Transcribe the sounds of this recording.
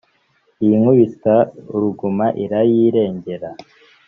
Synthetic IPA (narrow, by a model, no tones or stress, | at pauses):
iŋuβistauɾuɡumaʔiɾajiɾe̞ːɲɟe̞ɾa